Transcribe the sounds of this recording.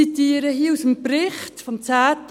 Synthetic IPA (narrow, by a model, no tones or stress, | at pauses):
itiːəɾəɦiːəusəmprɪχtfɔmt͡sæːt